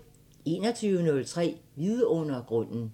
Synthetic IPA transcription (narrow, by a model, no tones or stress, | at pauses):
e̝̰ːnɐt͡sʰyːʊənɔ̽lt͡sʰʁɛ̰ːʋiðˠəɔ̽n̰ɐɡ̥ʁɔ̽n̰n̩